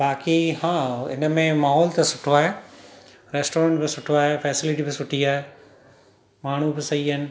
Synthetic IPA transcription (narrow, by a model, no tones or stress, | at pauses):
baːkihãːɪ̰nəmẽmaːɦɔːlt̪ɐsʊʈʰoaːɦeː | ɾeːsʈoːɾə̃ɳʈbɪsʊʈʰoaːɦefɛːsɪlɪʈibɪsʊʈʰiaːɦeː | maːɳ̤ubɪsɐiɪnɪ̆